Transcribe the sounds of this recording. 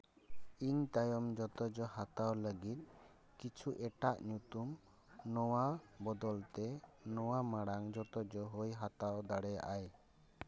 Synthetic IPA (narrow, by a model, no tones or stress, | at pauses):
iɲt̪ajɔmd͡ʒɔt̪ɔd͡ʒɔhat̪awləɡit̪̚ | kit͡ʃʰuʔɛʈaʔɲut̪um | nɔwabɔd̪ɔlt̪ɛnɔwamaɽaŋd͡ʒɔt̪ɔd͡ʒɔɦujɦat̪awd̪aɽɛja̰ʔaj